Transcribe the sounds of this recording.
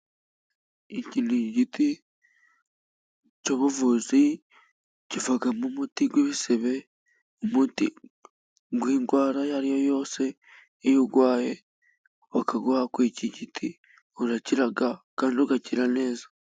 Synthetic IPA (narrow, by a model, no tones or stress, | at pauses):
iciniɟiti | coβuvuzi | civaɡamumutiɡweβiseβe̞ | umutḭ | ɡwiːŋɡwaːɾajaɾijo̞jo̞ːse̞ː | juɡwaːje̞ | wakaɡahakwiciɟitʰi | uɾaciɾaɡakaːndioɡaciɾane̞ːzḁ